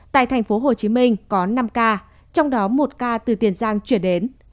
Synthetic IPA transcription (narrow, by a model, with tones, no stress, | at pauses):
t̪a̰ː˧˨jt̪ʰɛ˨˩ŋ̟fo˨˦ɦo˨˩t͡ɕi˨˦mï˧ŋ̟kɔ˨˦na˧mkaː˧ | t͡ɕɔ˧wŋ͡mɗɔ˨˦mo˨˩t̚kaː˧t̪ɨ˨˩t̪i˨˩ənzaː˧ŋt͡ɕwi˧˩ənɗe˨˦n